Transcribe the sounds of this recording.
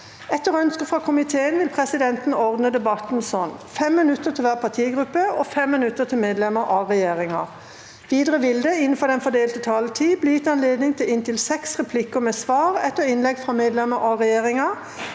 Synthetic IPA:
ɛt̪ːəʁœnskəfʁɑkʰʊmɪt̪ʰeːənʋɪlpʰʁɛsɪd̪ɛnt̪n̩ɔʁd̪nəd̪ɛbɑt̪nsɔnfɛmːɪnʉt̪ːət̪ʰɪlʋæːʁpʰɑt̪ʰiːɡʁʉpːəɔfɛmːɪnʉt̪ːət̪ʰɪlmeːd̪lɛməɾʔɑʁɛjeːʁɪŋɑʁ | ʋiːd̪ʁəʋɪld̪əɪnːn̩fɔd̪ɛnfɔd̪eːlt̪ət̪ʰɑlət̪ʰiːblɪjɪt̪ːɑnleːd̪nɪŋt̪ʰɪlɪnt̪ʰɪlsɛksʁɛpʰlɪkːəmɛsʋɑːʁɛt̪ːəɪnlɛɡfʁɑmeːd̪lɛməʔɔʁɛjeːʁɪŋɑ

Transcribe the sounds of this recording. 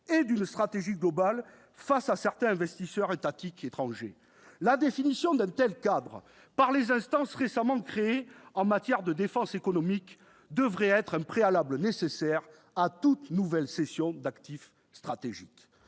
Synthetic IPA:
ed̪ynst̪χat̪eʒiɡlɔbal | fasasɛʁt̪ɛ̃ɛ̃vɛst̪isœʁet̪at̪iket̪χɑ̃ʒḛ | lad̪efinisjɔ̃d̪ɛ̃t̪ɛlkad̪ʁə | paʁlezɛ̃st̪ɑ̃sʁesamɑ̃kχeeɑ̃mat̪jɛʁd̪əd̪efɑ̃sekɔnɔmik | d̪əvʁɛɛt̪χɛ̃pχealablənesesɛʁ | at̪ut̪nuvɛlsesjɔ̃d̪akt̪if | st̪χat̪eʒḭk

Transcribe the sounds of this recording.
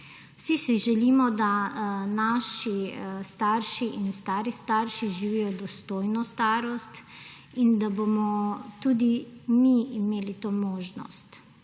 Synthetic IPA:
wsisiʒɛliːmɔd̪anaːʃist̪aːɾʃiʔinst̪aːɾist̪aːɾʃiʒiʋiːjɔd̪ɔst̪oːjnɔst̪aːɾɔst̪ | ind̪abomɔt̪ud̪imiimeːlit̪oːmoːʒnɔ̰st̪

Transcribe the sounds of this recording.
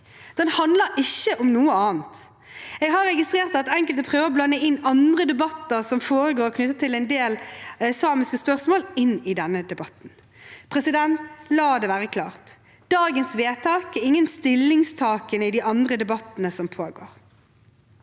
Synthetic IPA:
d̪̥ɛnhɑnd̪ləɾɪçːəʔɔmnuːəɑːnt̪ | ɛːɡɦɑɾːɛɡɪst̪ɾeːʁt̪ɑt̪ɛŋkəlt̪pʰʁøːʋəʁɔblɑnːəɪnːɑnd̪ʁəd̪ɛbɑt̪ːəʁsɔmfoːɾəɡoːɾɔkʰnʏt̪ːət̪ʰɪlɛɪnd̪eːlɛsɑːmɪskəspœʁsmoːlɪnːɪd̪ɛnːəd̪ɛbɑt̪ːn̩ | pʰɾɛsɪd̪ɛnt̪lɑːd̪ɛʋæːʁəkʰlɑ̰ːʁt̪ | d̪̥ɑːɡənsʋeːt̪ʰɑːkɛɪŋːənst̪ɪlːɪŋst̪ʰɑːkənəɪd̪iʔɑnd̪ʁəd̪ɛbɑt̪ːənəsɔmpʰoːɡo̰ːɾ

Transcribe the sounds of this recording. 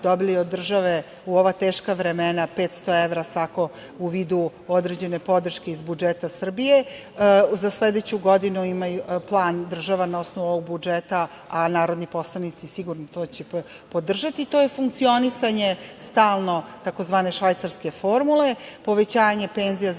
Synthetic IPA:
d̪o̞biliod̪ːr̩ʒaʋe̞ | uo̞ʋat̪eːʃkaʋɾemenape̞ːt̪st̪o̞e̞ʋɾasʋako̞ | uʋiːd̪u | od̪ɾe̞d͡ʑe̞nepo̞d̪r̩ʃkeizbud͡ʒet̪asr̩bije̞ | zasle̞d̪et͡ɕuɡo̞d̪inuimajuplˠaːnd̪r̩ʒaʋanao̞snoʋuoʋoɡ̚bud͡ʒet̪a | anaːɾo̞d̪nipo̞slˠanit̪sisiɡuɾnot̪oːt͡ɕe | po̞d̪r̩ʒat̪it̪oje̞fuŋkt̪sio̞nisaɲe̞st̪aːlˠno̞t̪akozʋaːne̞ʃʋajt̪saɾske̞fo̞ɾmule̞po̞ʋe̞t͡ɕaːjɲe̞pe̞ːnzija

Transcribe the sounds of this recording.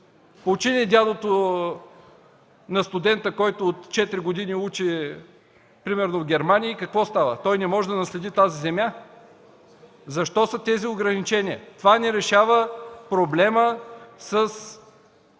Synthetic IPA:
pout͡ʃiniɛd̪ʲalˠot̪o | nɐst̪ʊd̪ɛnt̪əkɔjt̪oːt̪t͡ʃɛt̪ɾiɡʊd̪iniut͡ʃi | pɾimɛɾnovɡʲɛɾmanʲiəikɐkvɔst̪avə̰t̪ɔjnɛmɔʒɛd̪ɐnɐslɛd̪it̪azizɛmʲja | zɐʃt̪ɔsət̪ɛzioɡɾɐnit͡ʃɛniə̰t̪ovanɛɾɛʃavəpɾoblɛməsəs

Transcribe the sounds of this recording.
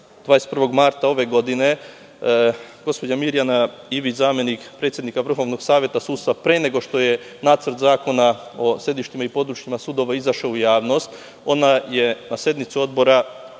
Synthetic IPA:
d̪ʋaːjest̪prʋo̞ɡmaɾt̪ao̞ʋe̞ɡo̞d̪ine̞ | ɡ̥o̞spo̞d͡ʑamiɾjana | iʋizaːme̞nikpɾe̞t̪sjed̪nikaʋr̩xo̞ʋno̞ɡ̥saːʋʲje̞t̪asuːd̪st̪apɾeːne̞ɡo̞ʃt̪o̞je̞naːt̪rt̪zaːko̞nao̞sje̞d̪iʃt̪imaipo̞d̪ɾut͡ʃɲimasud̪o̞ʋaizaʃaujaːʋno̞st̪ | o̞naje̞nasje̞d̪nit̪sio̞d̪̚bo̞ɾa

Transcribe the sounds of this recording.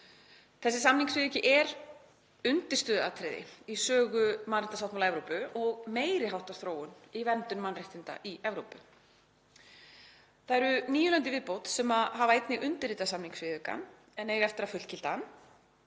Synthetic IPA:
θɛsːɪsamniŋksvɪːðʏcɪʔɛɾ | ʏnt̪ɪ̥st̪ʏːðʏa̰t̪ʰɾɪðɪ̰isœːɣʏmanrɪhnt̪sawht̪malaɛvɾowpʏɔɣmeːjɾɪhawht̪aɾ̥θɾoːwʏnivɛnt̪ʏnmanrɪht̪ɪnt̪a̰ʔiʔɛvɾowpʏ | θaɛɾʏniːjʏlant̪ɪvɪðpowt̪sɛmaɦavaejt̪nɪɣʔʏnt̪ɪɾɪːt̪asamniŋksfvɪðʏka̰n | ɛnɛːɣɛft̪ɪɾafʏl̥cɪlt̪an

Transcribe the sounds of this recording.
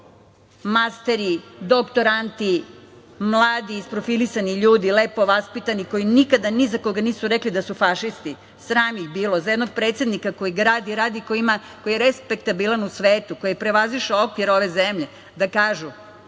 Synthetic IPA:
mast̪eɾid̪okt̪o̞ɾant̪i | mlˠaːd̪iːspɾofilisaniʎuːd̪ileːpo̞ʋaspit̪aniko̞jinikad̪anizakoɡaniːsuɾeklid̪asufaʃist̪i | sɾaːmixbiːlozajed̪noɡ̚pɾe̞ːt̪sed̪nikako̞jiɡɾaːd̪iɾaːd̪ikoima | ko̞jijeɾespek̚t̪abilanusʋeːt̪uko̞jpɾeʋaziʃeokʋiɾoʋe̞zemʎe | d̪akaːʒu

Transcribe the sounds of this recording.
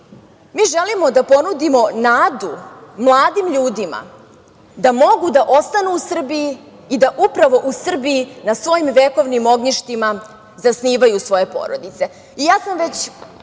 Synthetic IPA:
miːʒelimo̞d̪apo̞nud̪imo̞naːd̪umlˠaːd̪imʎuːd̪ima̰ | d̪amo̞ɡud̪aʔost̪anuːsr̩biji | id̪aʔupɾaʋo̞ʔusr̩biinasʋo̞jimʋeko̞ʋnimo̞ɡɲiʃt̪ima | zasniːʋajusʋo̞je̞po̞̰ɾod̪it̪se̞ | ijaːsamʋe̞t͡ɕ

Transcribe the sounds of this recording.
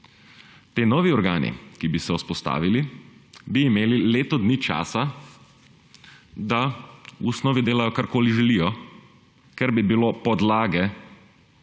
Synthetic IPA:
t̪eːnɔːʋiɔɾɡaːnḭkibisɛuspɔst̪a̰ːʋilibiːmeːlileːt̪ɔd̪niːt͡ʃa̰ːsa | d̪ausnɔːʋid̪eːlajɔkaɾkoːliʒɛlijɔ | kɛɾbibiloːpɔd̪laːɡɛ

